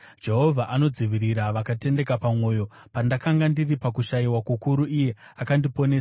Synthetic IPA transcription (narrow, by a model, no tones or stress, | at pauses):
d͡ʒe̞ɦo̞vʱaʔano̞d͡ziʋiɾiɾaʋakate̞nde̞kapamwo̞ːjo̞ | pandakaŋɡandiripakuʃaiwakukuɾuʔijeakandipo̞neːsa